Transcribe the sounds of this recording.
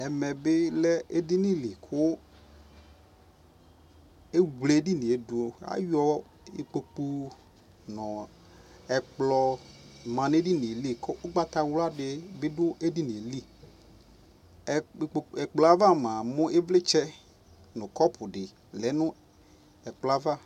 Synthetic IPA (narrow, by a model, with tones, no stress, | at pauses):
ɛ˨mɛ˨bɪ˦lɛ˦e˦di˦ni˦˨li˨kʰʊ˦ | e˦wle˨˦di˦ni˨e˨du˨o˨a̰˦jɔ˦ | ḛ˨k͡po˨k͡pu˦ | nɔ˨ | ɛ˨k͡plɔ˨mã˨n˦e˦di˦ni˨li˦˨kʊ˦ʔʊ˦ɡ͡ba˦t̪a˨wla˦dɪ˨bɪ˦dʊ˦e˦di˦ni˨e˨li˦˨ | ɛ˨k͡plɔ˨a˦va˦mã˨mʊ̃˦ʔɪ˦vlɪ˦t͡ʃɛ˦ | nʊ̃˨kɔ˦pʰʊ˨dɪ˨ | lɛ˨˦nʊ̃˦ | ɛ˨k͡pla˦va˦˨